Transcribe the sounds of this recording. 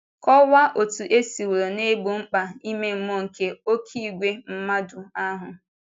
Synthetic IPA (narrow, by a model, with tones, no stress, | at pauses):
kɔ˦wa˦ʔo˨tu˨ʔe˦si˨wo˨ɾo˨ne˦ɡ͡bo˨ŋ͡m̩˦k͡pa˨i˦me˦m̩˦mo˦˨ŋ̩˨ke˨o˦kʰi˦˨ɡʷe˦m̩˦ma˦dʊ˨a˦ɦʊ˨